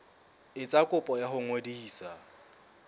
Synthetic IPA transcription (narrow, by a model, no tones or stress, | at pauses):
ɪt͡sʼakʼʊpʼɔjahʊŋodiːsa